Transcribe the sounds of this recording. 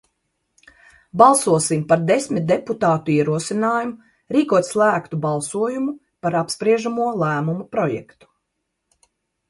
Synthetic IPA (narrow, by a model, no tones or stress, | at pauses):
bɑlˠsuɔsimpaɾd̪esmit̪̚d̪eput̪aːt̪uiɛɾuɔsinaːjumu | ɾiːkuɔt̪ʲslˠæːkt̪ubɑlˠsuɔjumu | paɾapspɾiɛʒamuɔlˠæːmumupɾɔjɛ̰kt̪u̥